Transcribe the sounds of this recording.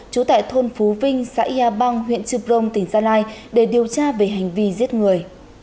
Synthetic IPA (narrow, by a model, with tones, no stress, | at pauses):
t͡ɕu˨˦t̪a̰ː˧˨jt̪ʰo˧nfu˨˦vï˧ŋ̟sa̰ː˧˥˧aː˧ɓa˧ŋɦwḭ˧˨ənt͡ɕɨ˧p̚zə˧wŋ͡mt̪ï˧˩ŋ̟zaː˧laː˧jɗe˧˩ɗi˨˩əwt͡ɕaː˧ve˨˩ɦa˨˩jŋ̟vi˧zi˦˥ət̚ŋɨ˨˩əj